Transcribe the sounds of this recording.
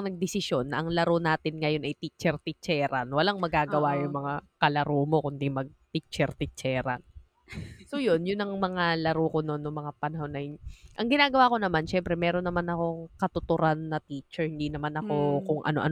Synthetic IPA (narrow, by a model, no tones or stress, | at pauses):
nɐɡ̚d̪ɪsɪʃjo̞nːɐʔɐŋlɐɾonaːt̪ɪnŋɐjo̞nʔɐjt̪it͡ʃɛɾt̪ɪt͡ʃɛːɾɐnwɐlaŋmɐɡaːɡɐwajʊŋmɐŋakɐlɐɾoːmo̞kʊnd̪imɐɡ̚t̪it͡ʃɛɾt̪ɪt͡ʃɛːɾɐ̰n | sojo̞njʊnːɐŋmɐŋalɐɾoːkononːoŋmɐŋapɐnɐho̞nːɐjʔɐŋɡɪnaːɡɐwaːko̞nɐmanʃɛmpɾɛmɛːɾo̞nːɐmanɐko̞ŋkɐt̪ʊt̪ʊɾʔanːɐt̪iːt͡ʃɛɹhɪnd̪iːnɐmanɐko̞kʊŋʔɐ̰noʔɐ̰n